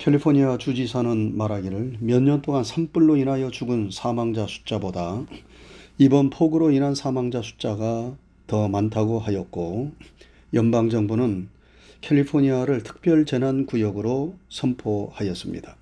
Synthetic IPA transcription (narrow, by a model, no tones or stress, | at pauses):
kʰe̞ɭːipʰoɲiat͡ɕud͡ʑisʰanɯnmaɾɦaɡiɾɯɭmjʌɲːʌnt͈oŋansʰamp͈uɭːoinɦajʌt͡ɕuɡɯnsʰamaŋd͡ʑasʰu̥t͡ɕ͈aboda | ibʌnpʰoɡɯɾoinansʰamaŋd͡ʑasʰu̥t͡ɕ͈aɡa | tʌmantʰaɡoɦajʌt̚k͈o | jʌmbaŋd͡ʑʌŋbunɯn | kʰe̞ʎːipʰoɲiaɾɯɭtʰɯ̥k̚p͈jʌɭt͡ɕe̞nɦankujʌɡɯɾosʰʌmpʰohajʌs͈ɯmɲḭda